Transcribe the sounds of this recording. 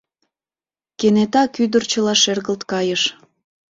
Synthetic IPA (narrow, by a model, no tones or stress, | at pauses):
kenet̪ɑkyd̪ərt͡ɕəlɑʃerɣəlt̪kɑjəʃ